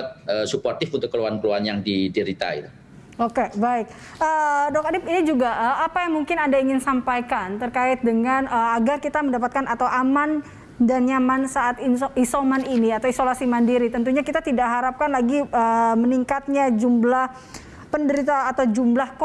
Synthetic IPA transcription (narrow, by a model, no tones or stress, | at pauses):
t̪̚əsupɔrt̪ɪfunt̪ʊkːəluankəluanjaŋdidəɾit̪a̰ḭt̪u | okebaɪk̚ | ʔədɔkadɪpinid͡ʒuɡaʔəapajaŋmuŋkɪnandaiŋɪnsampajkant̪ərkaɪt̪̚dəŋanəaɡarkit̪aməndapat̪̚kanat̪awʔaman | danɲamansaʔat̪inʔisomaniniat̪awisolasimandiɾit̪ənt̪uɲakit̪at̪idaʔɦaɾap̚kanlaɡiəməniŋkat̪̚ɲad͡ʒumblah | pəndəɾit̪aːt̪awd͡ʒumblahk